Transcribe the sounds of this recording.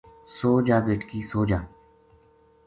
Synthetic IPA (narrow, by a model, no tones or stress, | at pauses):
soːd͡ʒaːbeːʈkiːsoːd͡ʒaː